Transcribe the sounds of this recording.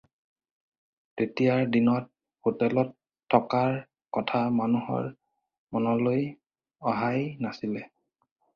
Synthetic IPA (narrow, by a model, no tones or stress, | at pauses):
tetijaɹdinɔt̚ | hotɛlɔtʰː | ɔkaɹ | kɔtʰamanuhɔ̰ɹ | mɔnɔloj | ɔɦajnasilɛ